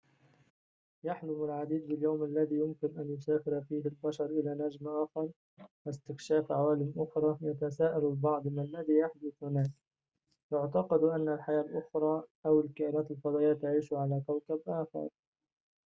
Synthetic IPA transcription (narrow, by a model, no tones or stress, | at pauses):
jaħlʊmalʕad̪iːd̪̚bɪljawmʔalːaðiːjʊmkɪnʔanjʊsaːfɪɾfiːhɪlbaʃɑɾˤʔɪlaːnad͡ʒmʔaːxɑɾˤ | wɪst̪ɪkʃaːfʕawaːlɪmʔʊxɾˤɑːjat̪asaːʔalalbɑʕd̪ˤmlːaðiːjaħd̪ʊθhʊnaːs | jʊʕt̪ɑqɑd̪ʔanːalħajaːlʔʊxɾˤɑːʔawɪlkaʔnaːt̪ɪlfɑd̪ˤɑːjaːt̪aʕiːʃʊʕalaːkawkabʔaːxɑ̰ɾˤ